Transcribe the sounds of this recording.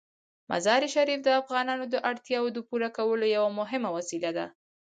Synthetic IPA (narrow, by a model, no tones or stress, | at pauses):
mʔa̰zɑɾiʃaɾifd̪əafɣɑnɑnod̪əʔaɽt̪jɑwod̪əpuɾakawəlojawamʊɦɪmawasilad̪a̰